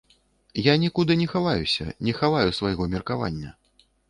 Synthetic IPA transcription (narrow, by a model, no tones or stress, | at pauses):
janʲɛkud̪ɨnʲɛxavajusʲɐ̰nʲɛxavajusvajɣɔmʲɛrkava̰nʲːɐ̰